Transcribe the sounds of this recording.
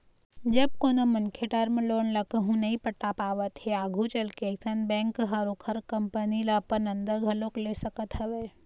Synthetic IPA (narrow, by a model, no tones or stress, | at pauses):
d͡ʒɐb̚koːnomɐnkʰeʈəɾmẽloːɳlɐkəɦũnɐɦĩpəʈːapaːʋət̪ɦɛaːɡʱũt͡ʃɐlkeːksənbɛ̃ːŋkɦɐɾokʰəɾkɐmpənilapənə̃nd̪əɾɡʱɐloːkleːsɐkət̪ɦɐʋeː